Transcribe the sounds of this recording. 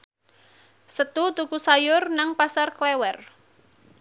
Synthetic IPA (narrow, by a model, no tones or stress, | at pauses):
sət̪ut̪ukusajʊrnaŋpasarklɛwɛr